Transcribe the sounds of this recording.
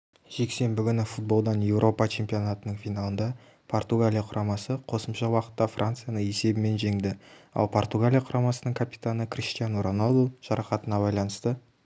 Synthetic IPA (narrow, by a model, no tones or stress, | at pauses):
ʒ̥e̞kse̞mbɪɡʲʏnɪfut̪̚bo̞lˠd̪ɑnje̞wɾʔo̞pɑt͡ʃʰe̞mpʲio̞nat̪ənəɴfijnalˠənd̪ɑ | pʰo̞rt̪uɡalʲijaqʰʊɾʔɑmɑsəqʰo̞səmʃɑwɑqə̥t̪ːɑfrʔant̪sɨjanəe̞se̞bɪme̞nʒe̞ŋd̪ɪɑ̰lˠpʰo̞rt̪uɡalʲijaqʰʊɾɑmɑsənəɴŋkʰapi̥t̪anəkʰrʲist̪ijanuɾonod̪oʒ̥ɑɾɑqɑt̪ənɑbɑjlˠɑnəst̪ə